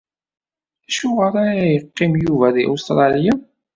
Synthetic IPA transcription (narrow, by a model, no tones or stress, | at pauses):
æʃuʁəɾaɾæjəqːimjuvæðiʔust̪ɾˤɑlja